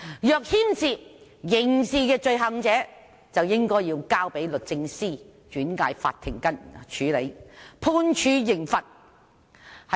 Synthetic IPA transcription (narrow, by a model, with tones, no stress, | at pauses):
jœː˨˧k̚hiː˥msiː˨˧jɪ˨˩ŋsiː˧kɛː˧t͡ʃɵ˧ɥɦɐ˨˥ŋt͡sɛː˨˥ | t͡sɐ˨wjɪ˥ŋkɔː˥jjiː˧wkaː˥wpe˨˥jlɵ˨t̚t͡sɪ˧ŋsiː˥˩ | t͡ʃyː˨˥nkaː˧jfa̰ː˧t̪ʰːɪ̰˨˩ŋkɐ˥nt͡ʃʰyː˨˥le˨˧˥jpʰuː˧nt͡ʃʰyː˨˧jɪ˨˩ŋfɐ˨t̚ | hɐ˨